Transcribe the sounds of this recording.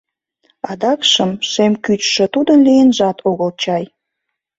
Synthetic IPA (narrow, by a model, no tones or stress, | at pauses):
ɑd̪ɑkʃəmʃemkyt͡ɕʃə̆t̪ud̪ənlijənʒɑt̪ʰoɣəlt͡ɕɑj